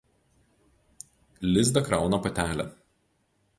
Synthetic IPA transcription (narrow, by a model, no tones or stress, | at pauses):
lʲɪzd̪ɐkɾɑˑʊnɐpɐt̪ʲæːlʲɛ̰